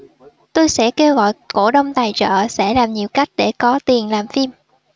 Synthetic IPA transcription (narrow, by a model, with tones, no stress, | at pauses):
t̪o˧jsɛ̰˧˥ke˧wɣɔ̰˧˨jko˧˩ɗə˧wŋ͡mt̪aː˨˩jt͡ɕə̰ː˧˨sɛ̰˧˥laː˨˩mɲi˨˩əwka˦˥jk̟̚ɗe˧˩kɔ˨˦t̪i˨˩ənlaː˨˩mfi˧m